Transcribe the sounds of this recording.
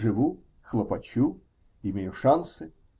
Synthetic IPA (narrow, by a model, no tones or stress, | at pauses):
ʐɨvu | xlˠɐpɐt͡ɕu | ɪmʲejʊʂansɨ